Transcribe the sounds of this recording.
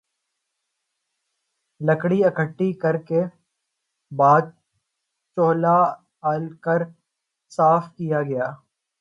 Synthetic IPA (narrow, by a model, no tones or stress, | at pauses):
ləkɽiɐkʰəʈːikɐɾke | baːd̪̚ | t͡ʃoːla | aːlkɐɾ | saːfkijaɡɐjaː